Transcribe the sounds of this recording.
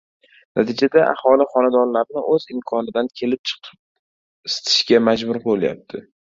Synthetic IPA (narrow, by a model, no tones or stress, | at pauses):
nʔat̪ʰid͡ʒad̪aʔa̰hɒlɪχɒnad̪ɒnlaɾnɪʔɵzɪmkʰɒnɪd̪ankʲʰe̞lɪp̚t͡ʃʰɨ̥qʰɨp̚ | ɪst̪ʰɪ̥ʃkʲamad͡ʒbʊɾbolˠja̰p̚t̪ʰɪ